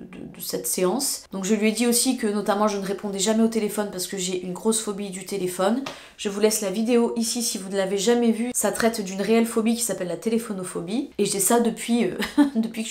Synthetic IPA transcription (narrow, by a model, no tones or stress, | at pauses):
d̪ə̰d̪əsɛt̪seɑ̃sd̪ɔ̃kʒəlɥɛd̪iosikənɔt̪amɑ̃ʒənəʁepɔ̃d̪ɛʒamɛot̪elefɔnpaʁsə̥kəʒeʔynɡʁosfɔbid̪yt̪elefɔn | ʒ̥əvulɛslavid̪eoʔisisivunəlaveʒamɛvysat̪χɛt̪d̪ynʁeɛlfɔbik̬ʲi̥sapɛlːat̪elefɔnɔfɔbieʒəd̪isad̪əpɥiød̪əpɥikə